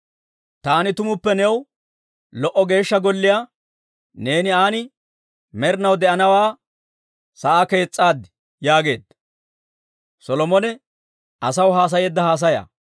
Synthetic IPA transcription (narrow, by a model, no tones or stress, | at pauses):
t̪aːnɪt̪ʊmʊpːɛnɛw | lɔʔɔɡe̞ːʃːɐɡɔlːɪjaː | ne̞ːnɪaːnɪ | mɛɾɪnɐwd̪ɛʔɐnɐwaː | sɐʔake̞ːt͡sʼːaːd̪ɪ | jaːɡe̞ːd̪ | sɔlɔmɔnɛ | ʔɐsɐwɦaːs̬ɐjeːd̪ːɐhaːs̬ɐja̰ː